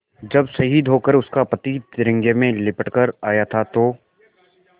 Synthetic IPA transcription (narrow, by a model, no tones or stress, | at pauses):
d͡ʒɐbsɐɦid̪ʱoːkəɾʊskapɐt̪it̪ɪɾɪ̃ŋɡemẽlɪpəʈkəɾaːjat̪ʰat̪oː